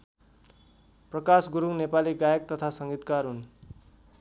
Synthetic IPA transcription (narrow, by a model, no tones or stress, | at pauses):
prʌkasɡuɾunepaliɡajʌk̚t̪ʌt̪ʰasʌŋɡit̪karɦun